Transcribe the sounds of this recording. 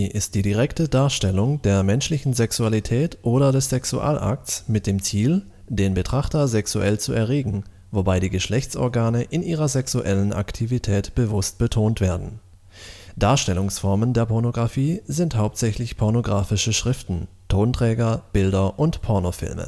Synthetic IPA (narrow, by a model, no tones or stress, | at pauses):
ʔɪst̚d̥iːdiʁ̞ɛktədaːɐʃtɛlʊŋd̥eːɐmɛnʃlɪçn̩zɛksualitʰɛːtʔoːɾɐdɛsz̥ɛksṵʔa̰ːlʔa̰k̚tsmɪt̚d̥eːmt͡siːl | deːnbətʁ̥aχtɐzɛksuʔɛlt͡suʔɛɐʁeːɡŋ̩ | vobaɪɾiːɡəʃlɛçt͡sʔɔ̰ɐɡaːnəʔɪnʔiːʁɐzɛksuʔɛlənʔa̰ktʰivitʰɛːtb̥əvʊst̚b̥ətʰoːntv̥eːɐdn̩ | d̥aːɐʃtɛlʊŋsfɔɐməndeːɐpʰɔɐnoɡʁafiːzɪnthaʊp̚tz̥ɛçlɪçpʰɔɐnoɡʁaːfɪʃəʃʁ̥ɪftn̩ | tʰoːntʁ̥ɛːɡɐb̥ɪldɐʔʊntpʰɔɐnofɪ̰lmə̰